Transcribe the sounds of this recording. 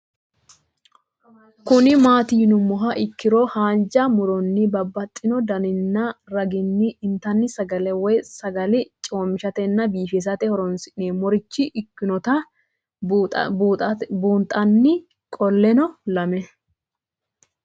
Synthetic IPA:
kʊnɪmaːt̪iːnʊmːɔɦɐʔɪkːɪɾoːhaːnd͡ʒɐmʊɾɔnːɪbɐbːɐt̪ʼːɪnɔd̪ɐnɪnːɐɾɐɡɪnːɪʔnt̪ɐnːɪsɐɡɐlɛwɔjsɐɡɐlɪt͡ʃʼoːmɪʃɐt̪ɛnːɐbiːfɛs̬ɐt̪ɛhɔɾɔnsɪʔneːmɔɾɪt͡ʃːɪʔɪkːɪnɔt̪ɐ | buːnt̪ʼɐnːɪ | kʼɔlːɛnɔlɐmɛ

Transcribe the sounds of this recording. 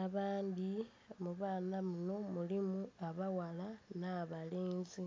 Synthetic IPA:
aβaːndi | muβaːnamuno̞mulimuaβawalanaβaliːnzi

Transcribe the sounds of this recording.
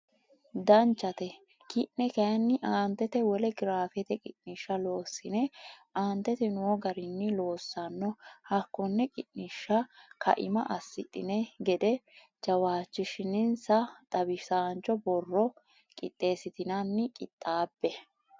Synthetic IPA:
d̪ɐnt͡ʃːɐt̪ɛ | kɪʔnɛkɐɐnːɪʔaːnt̪ːɛt̪ɛwɔlɛɡɪɾaːfɛt̪ɛkʼɪʔnɪʃːɐlo̞ːsːɪnɛaːnt̪ːɛt̪ɛnʊwɔɡɐɾɪnːɪlo̞ːsːɐnːɔhɐkːɔnːɛkʼɪʔnɪʃːɐkɐ̰ʔɪ̰mɐ̰ʔɐsːɪ̰t̪ʼːɪnɛɡɛd̪ɛ | d͡ʒɐwaːt͡ʃːɪʃɪnɪnsɐt̪ʼɐbɪsaːnt͡ʃːɔbɔrːɔ | kʼɪ̰t̪ʼːe̞ːsɪt̪ɪnɐnːɪkʼɪt̪ʼːaːbːɛ

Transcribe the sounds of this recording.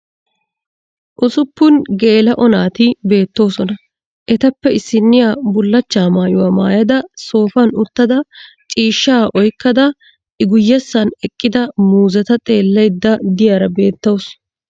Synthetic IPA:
ʔʊsʊpːʊnɡe̞ːlɐʔɔnaːt̪ɪbe̞ːt̪ːo̞ːsɔnɐ | ʔɛt̪ɐpːɛɪsːɪnːɪjaːbʊlːɐt͡ʃːaːmaːjʊwaːma̰ːjɐd̪ɐso̞ːfɐnʊt̪ːɐd̪ɐ | t͡ʃʼiːʃːaːʔɔjkːɐd̪ɐ | ʔɪɡʊjːɛsːɐnɛkʼːɪd̪ɐmuːzɐt̪ɐt̪ʼe̞ːlːɛjd̪ːɐd̪ɪjaːɾɐbe̞ːt̪ːows

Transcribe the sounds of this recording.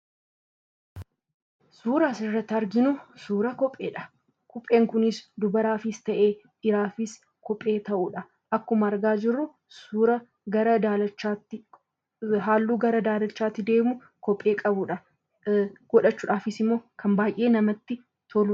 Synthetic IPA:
suːɾaːsɪrːɐt̪ːɐɾɡɪnʊsuːɾɐkɔpʼːe̞̰ːᶑɐ̥ | kɔpʼːe̞ːŋkʊnɪsd̪ʊbɐɾaːfɪst̪ɐʔe̞ː | ʔɪɾaːfɪs | kɔpʼːe̞ːt̪ɐʔuːᶑɐ | ʔɐkːʊmɐːɾɡaːd͡ʒɪrːʊ | suːɾɐ | ɡɐɾɐd̪aːlɐt͡ʃːaːt̪ːɪ | ɦaːlːuːɡɐɾɐd̪aːlɐt͡ʃːaːt̪ːɪd̪e̞ːmʊ | kɔpʼːe̞ːkʼɐbʊᶑɐ | ɡ̥ɔᶑɐt͡ʃːʊːᶑaːfɪsɪmːo̞ːkʰɐmbaːjʔe̞ːnɐmɐt̪ːɪ | t̪ʰolʊ

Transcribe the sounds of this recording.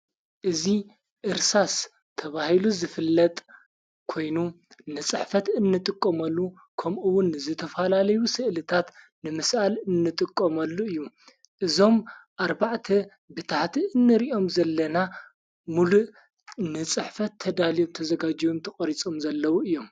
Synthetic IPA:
ʔɨzi | ʔɨɾsas | t̪ʰɐβahiluzɨfɨlːɐt̪ʼ | kʰo̞jnu | nɨt͡sʼɨħfɐt̪ɨnːɨt̪ʼɨkʼːɐmɐlːu | kʰɐmʔɨwʊnɨzɨt̪ʰɐfalalɐjusɨʔlɨt̪ʰat̪ | nɨmɨsʔalɨnːɨt̪ʼɨkʼːomɐlːuɨjːu | ʔɨzo̞mʔaɾbaʕt̪ʰɐ | bɨt̪ʰaħt̪ʰiʔɨnːɨɾiʔo̞mzɐlːɐna | muluʔ | nɨt͡sʼɨħfɐt̪ʰːɐd̪alijomt̪ʰɐzɐɡad͡ʒijomt̪ʰɐxʼɐɾit͡sʼo̞mzɐlːɐwuɨjːo̞m

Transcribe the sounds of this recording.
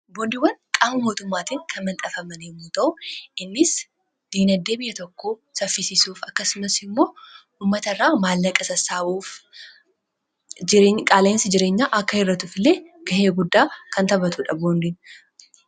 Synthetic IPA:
bond̪ɪwɐnkʼaːmɐmo̞ːt̪ʊmːaːt̪iːŋkʰɐnmɐnt̪ʼɐfɐmɐneːmuːt̪ɐʔʊʔɪnːɪs | d̪̥iːnɐd̪ːe̞ːbɪjːɐt̪ɔkːoːsɐfːɪsisuːfɐkːɐsʊmɐsɪmːo̞ː | uːmːɐt̪ɐrːaːmaːlːɐkʼɐsɐsaːbuːf | kʼaːleːnsɪd͡ʒɪɾeːɲːaːʔɐkːɐhɪrːɐt̪ʊfɪlːe̞ːɡ̥ɐhe̞ːɡʊd̪ːaːkɐnt̪ɐbɐt̪ʊᶑɐboːnd̪in

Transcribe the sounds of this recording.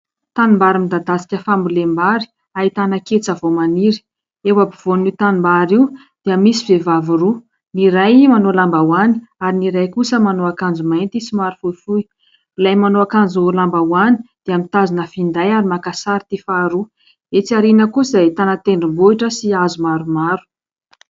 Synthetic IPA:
t̪animbaɾimid̪ad̪asi̥kʲəfambulembaɾi̥ | ait̪anaket͡savomaniɾi̥ | ewabiv̥onit̪animbaɾiw | d̪̥eəmisivevaviɾu | niɾajmanolambawani̥aɾiniɾajkusəmanoakand͡zumajnt̪isimaɾufufui | ulajmanoakand͡zulambawani̥d̪̥eamit̪azinəfind̪ajaɾimakasaɾit̪ifaɾu | et͡siaɾinəkusait̪anət̪eɳɖ͡ʐumbuiʈ͡ʂəsiazumaɾumaɾu̥

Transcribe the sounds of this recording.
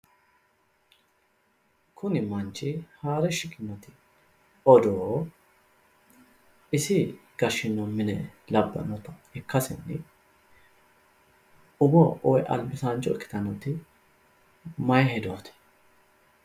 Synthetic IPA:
kʰʊnɪmɐnt͡ʃːɪhaːɾɛʃɪkʼːɪnːɔt̪ɪ | ɔd̪oː | ɪsɪɡ̥ɐʃɪnːɔmɪnɛlɐbːɐ̰nɔt̪ɐ̥hɪkːɐsɪnːɪ | ʊbɔʔɔjʔɐ̰lbɪsaːnt͡ʃɔɪkːɪ̥t̪ɐnɔt̪ɪ | mɐjhɛd̪oːt̪ɪ̥

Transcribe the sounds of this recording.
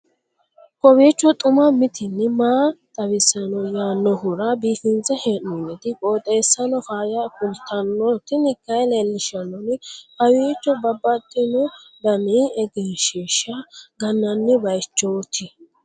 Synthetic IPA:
kɔwiːt͡ʃːɔt̪ʼʊmɐmɪt̪ʰɪnːɪmaːt̪ʼɐβɪsɐnɔjaːnːɔhʊɾɐbiːfɪnt͡sːɛheːnːunɛd̪ɪkʼoːt̪ʼeːsːɐnɔfaːjakʊlt̪ːɐnːɔt̪ɪnɪkːɐjlelːɪʃɐnɔnɪhɐwiːt͡ʃːɔbɐbːɐt̪ːɪnɔbɐmiːɛɡeːʃiʃɐɡɐnːɐnːɪbɐjt͡ʃːoːt̪ʰɪ

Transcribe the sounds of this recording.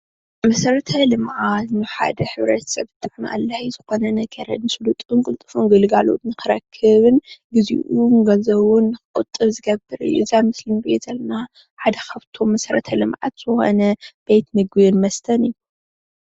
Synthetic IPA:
mɐsɐɾɐt̪ʰɐlɨmʕat̪nɨħa̰d̪ɐħɨβɾɐt̪ʰɐ̥sɐβt̪ʰʼːɨħnaʔa̰lːaizɨxo̞nɐnɐɡɐɾɐ̰nɨsɨlut̪ʼunkʼɨlt̪ʼɨfunɡɨlɨɡalo̰t̪nɨxɨɾɐ̰kʰːɨβɨnɡɨzḭʔunɡɐzɐwunːɨxɨqʼɨt̪ʼːɨβzɨɡɐbːɨɾɨ̰jːuzajmɨslimɡjezɐlɐna | ħad̪ɐkʰaβt̪ʰo̞mːɐsɐɾɐ̰t̪ʰɐlɨmʕa̰t̪z̥ɨxo̞̰nɐb̥et̪nɨɡjnmɐst̪ʰɐnɨjːu

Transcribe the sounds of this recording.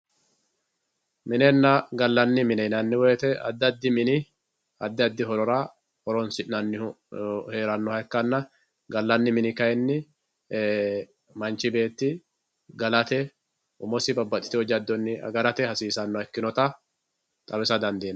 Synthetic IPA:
mɪnɛnːɐɡɐlːɐnːɪmɪnɛnɐnːɪwɛjɛt̪ɛɐ̰d̪ːɐd̪ːɪmɪnɪ | ɐd̪ːɪɐd̪ːɪɦɔɾɔɾa | hɔɾɔnsɪʔnɐnːɪ | he̞ːɾɐnːɔhɐɛkːɐnːɐ | ɡɐlːɐnːɪmɪnɪkɐjɛnːɪ | mɐnt͡ʃːɪbe̞ːt̪ːɪ | ɡɐlɐt̪ɛ | ʊmɔsɪbɐbːɐt̪ʼːɪ̥t̪ɪɔd͡ʒɐd̪ːɔnːɪɐ̰ɡɐlɐt̪ɛhɐsiːsɐnːɔɛkːɪnɔt̪ɐ | t̪ʼɐbɛsɐd̪ɐnd̪eːn

